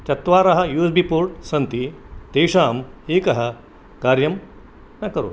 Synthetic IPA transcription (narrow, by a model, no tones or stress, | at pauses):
t͡ʃɐt̪ʋaːɾɐɦɐ̆juːsbipoːɾʈsɐnt̪it̪eːʂaːmeːkɐɦɐ̆ | kaːɾjɐm | nɐkɐɾṵ